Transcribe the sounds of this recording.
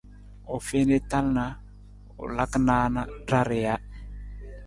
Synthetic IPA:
ɔ˨fe˦ne˦ta˦lna˨ | ʊ̰˨la˦kna˦na˦da˦ɾɪ˨ja˦

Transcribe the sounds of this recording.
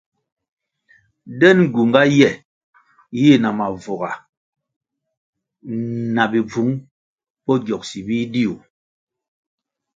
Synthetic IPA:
dɛ˦n˨ɡu˨ŋɡa˦jɛ˦˨ | je˦˨na˨ma˨vɔ˨ɣa˨ | na˨bi˨b͡vu˨˦ŋ | pɔ˦ɡjɔ˨k̚si˨bi˦di˦u˨

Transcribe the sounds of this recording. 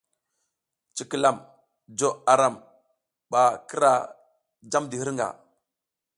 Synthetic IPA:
t͡ʃi˨ki˨la˨m | d͡ʒo˨a˨ɾa˨m | ɓa˨ki˦ɾa˨ | d͡ʒa˦mdi˨hi˦ɾŋɡa̰˨

